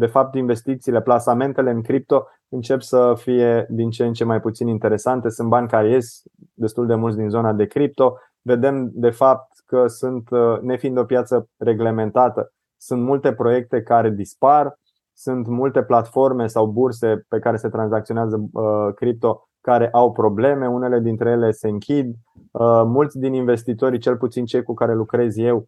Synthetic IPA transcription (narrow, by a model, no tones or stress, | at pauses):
d̪e̞fap̚t̪inve̞st̪ik̚t̪siːle̞plasame̞nt̪e̞le̞ɨŋkɾip̚t̪o̞ | ɨnt͡ʃe̞psəfije̞d̪int͡ʃent͡ʃe̞majput̪sinint̪e̞ɾe̞sant̪e̞sunt̪̚banʲkaɾeje̞st̪ | d̪e̞st̪uld̪e̞mult̪ʲd̪inzo̞nad̪e̞kɾip̚t̪o̞ | ve̞d̪e̞md̪e̞fap̚t̪kəsunt̪ne̞find̪o̞pjat̪səre̞ɡle̞me̞nt̪at̪ə | sunt̪mult̪e̞pɾo̞je̞k̚t̪e̞kaɾe̞d̪ispar | sunt̪mult̪e̞plat̪fo̞rme̞sawburs̬e̞pe̞kaɾe̞se̞t̪ɾanzak̚t̪sio̞neazəkɾip̚t̪o̞ | kaɾe̞ʔawpɾo̞ble̞me̞une̞le̞d̪int̪ɾe̞je̞le̞se̞ɨŋkʲʰid̪ | mult̪sʲd̪ininve̞st̪it̪o̞ɾt͡ʃe̞lput̪sint͡ʃe̞jkukaɾe̞lukɾe̞zje̞w